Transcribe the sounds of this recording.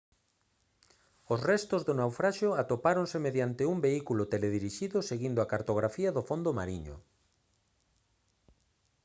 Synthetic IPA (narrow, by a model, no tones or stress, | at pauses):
ʊsrɛst̪ozðʊnawfɾaʃoat̪opaɾonsemeðjant̪ɪumbeikulʊt̪eleðiɾiʃiðʊseɣind̪oakaɾt̪oɣɾafiɐðʊfond̪oma̰ɾiɲʊ̰